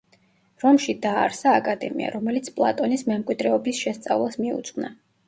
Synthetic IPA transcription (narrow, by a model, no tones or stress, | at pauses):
ɾɔmʃid̪aːɾsaːkʼad̪ɛmḭa̰ɾɔmɛlit̪sʰpʼlˠa̰t̪ʼɔnismɛmkʼwid̪ɾɛɔbisʃɛst̪sʼa̰vlˠasmiṵt̪sʼqʼna